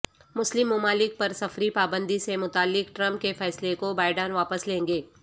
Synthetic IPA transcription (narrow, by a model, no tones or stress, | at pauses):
mʊslɪmːʊmaːlɪk̚pɐɾsɐfɾipaːbə̃nd̪isemʊt̪aːlːɪkʈɾɐ̃mp̚kefɛːslekobaːɪɖaːnʋaːpəslẽːŋɡeː